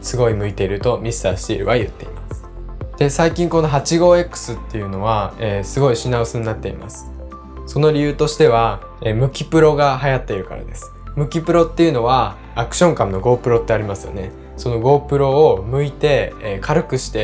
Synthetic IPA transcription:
sɨɡo̞imɯ̟it̪e̞iɾɯ̟t̪o̞mʲisɨ̥t̪aːɕi̥t̪e̞iɾɯ̟̰βajɯ̟̰t̪ːe̞imasɨ̥ | d̪̥e̞saikʲĩŋko̞no̞ɦat͡ɕiɡo̞ːe̞kːɯ̥sɨt̪ːe̞jɯ̟no̞β̞aeːsɨɡo̞iɕinaɯsɨɲ̟inat̪ːe̞ḭma̰sɨ̥ | so̞no̞ɾʲijɯ̟ːt̪o̞ɕi̥t̪e̞β̞a | eːmɯ̟kʲipɯ̟ɾo̞ɡaɦajat̪ːe̞iɾɯ̟ka̰ɾa̰d̪e̞sɨ̥mɯ̟kʲipɯ̟ɾo̞t̪ːe̞jɯ̟no̞βaː | kɯ̟̥ɕõ̞ŋkamɯ̟no̞ɡo̞ːpɯ̟ɾo̞t̪ːe̞aɾʲimasɨjo̞̰ne̞ | so̞no̞ɡo̞ːpɯ̟ɾo̞ːmɯ̟it̪e̞kʰaɾɯ̟kɯ̟ɕi̥t̪e̞

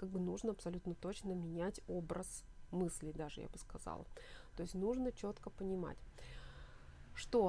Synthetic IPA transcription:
kaɡ̚bɨnuʐnəɐpsɐlʲut̪nət̪o̞t͡ɕnəmʲɪnʲætʲo̞bɾəsmɨsʲlʲɪd̪aʐɨ̰ja̰bɨskɐzɑ̰lˠt̪o̞ɪsʲtʲnuʐnət͡ɕo̞t̪kəpənʲɪma̰tʲ | ʂt̪o̞

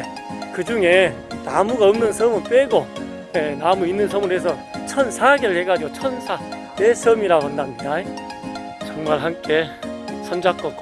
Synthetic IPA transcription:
e | kɯd͡ʑuŋe̞ | namuɡaʌmnɯnsʰʌmɯɭp͈eɡo | jenamuinːɯnsʰʌmɯɾɦes̬ʰʌt͡ɕʰʌnsʰaɡeɾɯɭheɡad͡ʑiɡot͡ɕʰʌnsʰa | tesʰʌmiɾaɡoɦandandae | t͡ɕʌŋmaɭɦamk͈e̞sʰʌnd͡ʑak͈ʌk͈o

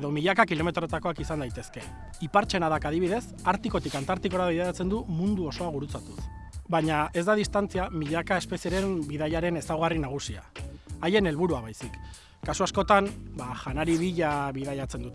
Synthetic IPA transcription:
ðo̞miʎakakilo̞me̞t̪ɾo̞t̪ako̞akisand̪ajt̪e̞ske̞ | ipaɾt͡ʃe̞naðakað̞iβ̞iðe̞s | aɾt̪iko̞t̪ikant̪aɾt̪iko̞ɾaβiðajat͡se̞nd̪umund̪uo̞so̞aɣuɾut͡sat̪us | baɲae̞zd̪að̞ist̪ant͡siamiʎakae̞spe̞sieɾe̞mbiðaʎaɾe̞ne̞sawɣarinaɣ̞usia̰ːje̞ne̞lβ̞uɾuaβajsikː | asuasko̞t̪ambaʝanaɾiβiʎaβið̞ajat͡se̞nd̪ut̪e

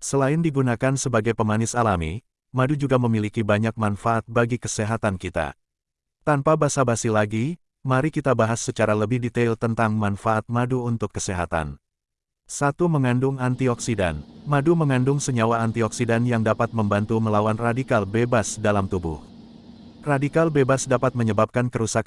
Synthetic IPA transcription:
səlaɪndiɡunakansəbaɡajpəmanɪsalamḭ | madud͡ʒuɡaməmilikibaɲak̚manfaʔat̪̚baɡikəseɦat̪ankit̪a̰ | t̪anpabasabasilaɡi | maɾikit̪abaɦasːət͡ʃaɾaləbɪhdit̪elt̪ənt̪aŋmanfaːt̪̚maduunt̪ʊkːə̥seɦa̰t̪a̰n | sat̪uməŋandʊŋant̪iɔksida̰nmaduməŋandʊŋsəɲawaːnt̪iɔksidanjaŋdapat̪̚məmbant̪uməlawanradikalbebasdalamt̪ubʊ̰h | radikalbebasdapat̪̚məɲəbap̚kankəɾusak

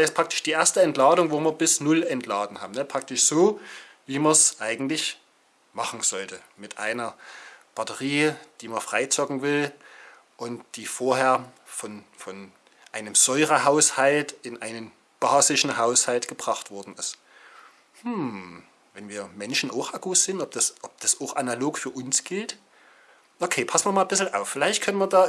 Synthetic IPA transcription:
ɪstpʁ̥ak̚tɪ̥ʃd̥iːʔeɐstəɛntlaːdʊŋvoːmiːɐbɪsnʊlɛntʰlaːdn̩ha̰ːbm̩nəpʁ̥ak̚tɪʃz̥oː | viːmɐsʔaɪɡŋ̩tlɪç | maχn̩z̥ɔltə | mɪtʔa̰ɪnɐb̥atəʁiːd̥iːmɐfʁ̥aɪt͡sɔkŋ̩vɪl | ʔʊntd̥iːfoːɐheːɐfɔnfɔn | ʔaɪnəmz̥ɔʏʁəɦaʊshaltɪnʔaɪnən | b̥aːzɪʃn̩haʊshaltɡ̥əbʁ̥aχtv̥ɔɐdn̩ɪst | hm̩ | vɛnviːɐmɛnʃn̩ʔaʊxʔaɡusz̥ɪntɔp̚d̥asʔɔp̚d̥asʔaʊxʔanaloːkfyːɐʔʊnsɡ̥ɪlt | ʔokʰeːpʰasmiɐmaːlbɪsl̩ʔaʊfːɪlaɪçtkʰœnənmiːɐdaː

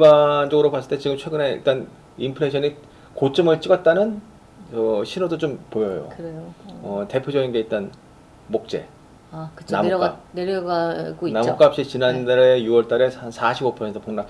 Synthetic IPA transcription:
ibant͡ɕʌɡɯɾopas͈ɯɭt͈et͡ɕiɡɯmt͡ɕʰwe̞ɡɯne̞ḭɭt͈an | impʰɯɾeɕʰʌni | kot͡ɕ͈ɯmɯɭt͡ɕ͈iɡʌt̚t͈anɯn | ʌɕʰinodot͡ɕompojʌjo̰kɯɾejoʌte̞pʰjod͡ʑʌɡinɡe̞it̚t͈an | mok̚t͡ɕ͈e̞̰ | akɯ̥t͡ɕnam͈aneɾʌɡaɡoinamok͈ap̚ɕ͈it͡ɕinandɾejuwʌɭt͈aɾe̞sansʰaɕʰibɡopʰʌsentʰʌ̥poŋnak

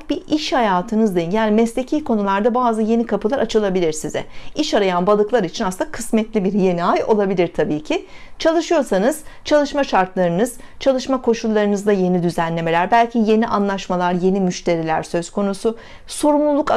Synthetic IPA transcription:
biiʃhajaːt̪ʰɯnɯzd̪ejinɟælʲmɛslʲe̞cʰijkʰo̞nulˠaɾd̪abaːzɯje̞nikʰapɯlˠaɾat͡ʃʰɯlˠabilʲiɾsizɛ̰iʃaɾajanbalˠɯklˠaɾit͡ʃʰinasnakʰɯsmɛt̪lʲibiɾje̞niajo̞̰lˠabilʲiɾt̪ʰabiːcʰi | t͡ʃʰalˠɯʃɯjo̞ɾsanɯz̥t͡ʃʰalˠɯʃmaʃaɾt̪lˠaɾɯnɯz̥t͡ʃʰalˠɯʃmakʰo̞ʃulˠːaɾɯnɯzd̪aje̞nid̪yzænlʲe̞me̞lʲæɾbælʲcʰije̞niʔanlˠaʃmalˠaɾje̞nimyʃt̪ʰe̞ɾilʲæɾsø̞z̥kʰo̞nusʊ | so̞ɾumlˠulˠuk

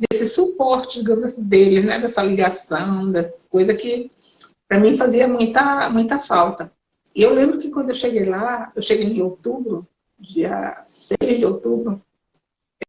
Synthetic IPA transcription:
d̪esɪsupɔɾt͡ʃɪd͡ʒiɡɐ̃mʊzasĩd̪elɪznɛ̰d̪ɛsɐliɡasɐ̃w̃d̪ɛsɐ̥kojzɐkɪ | pɾɐmĩfaziɐmũj̃t̪ɐmũj̃t̪ɐfawt̪ɐ | ɪewlẽbɾʊkɪkwɐ̃nd̪ʊewʃeɡejlaewʃeɡejẽowt̪ubɾʊ | d͡ʒiɐ̰sejzd͡ʒɪowt̪ubɾʊ

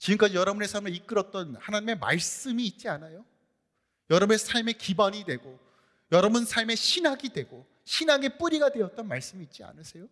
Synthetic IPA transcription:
t͡ɕiɡɯmk͈ad͡ʑijʌɾʌbune̞sʰaɭmeik͈ɯɾʌt̚t͈ʌnhanaɲime̞ma̰ɭs͈ɯmiːt̚t͡ɕ͈ianajo | jʌɾʌbne̞sʰaɭme̞kibaɲidwe̞ɡo | jʌɾʌbunsʰaɭme̞ɕʰinɦaɡidwe̞ɡo | ɕʰinaɡep͈uɾiɡadwe̞ʌt̚t͈ʌnmaɭs͈ɯmiːt̚t͡ɕ͈ia̰nɯsʰe̞jo

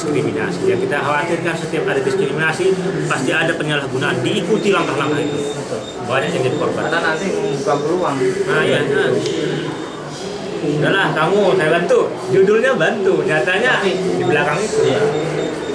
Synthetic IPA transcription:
skɾimina̰sijaŋkit̪aɦawat̪ɪrkansət̪iapadadiskɾiminasipast̪iadapəɲalahɡunaandiːkut̪ilaŋkahlaŋkahit̪ubəʊl | baɲak̚jaŋd͡ʒadikɔrbat̪anat̪ɪkaŋbəluaŋmajaa | udalahkamuɦawant̪u | d͡ʒudʊlɲabant̪ud͡ʒat̪aɲasɪhdiblakaŋit̪uja

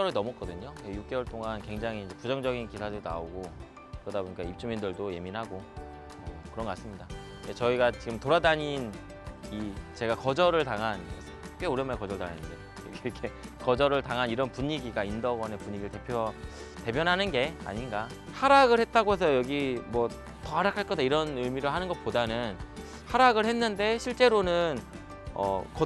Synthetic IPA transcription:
ʌɾɯɭnʌmʌk͈ʌdɯɲoejuk̚k͈e̞wʌɭt͈oŋankwe̞ŋd͡ʑaŋɦiːnd͡ʑe̞pud͡ʑʌŋd͡ʑʌɡinkisʰadɯɾna̰oɡo | kkɯɾʌdaboɲik͈aip̚t͡ɕ͈umindɯɭdoje̞minɦaɡo | ʌkɯɾʌŋɡʌas͈ɯmɲida | et͡ɕʌiɡat͡ɕiɡɯmtoɾadaɲin | it͡ɕe̞ɡakʌd͡ʑʌɾɯɭtaŋɦanʰ | k͈euɾenmaɭkʌd͡ʑʌɭtaŋɦanɯnde̞ | kkʰekʌd͡ʑʌɾɯɭtaŋɦaniɾʌnpuɲiɡiɡaindʌɡʌne̞puɲiɡiɯɭte̞pʰjʌ | te̞bjʌnɦanɯnɡe̞a̰ɲinɡa | haɾaɡɯɭhe̞t̚t͈aɡoɦe̞sʰʌjʌɡimwʌ | tʌhaɾakʰaɭk͈ʌdaiɾʌnɯɭmiɾɯɭɦanɯnɡʌt̚podanɯn | haɾaɡɯɭhe̞nːɯnde̞ɕʰiɭt͡ɕ͈e̞ɾonɯn | ʌ̰kʌ

